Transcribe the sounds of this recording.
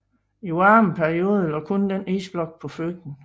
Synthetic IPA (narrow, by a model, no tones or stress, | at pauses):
iɑːm̩pʰæɐio̝ːð̞ˠəlɒkʰɔ̽nd̥eneːsb̥lɒ̽ɡ̥̚pʰɒ̽føɡ̥n̩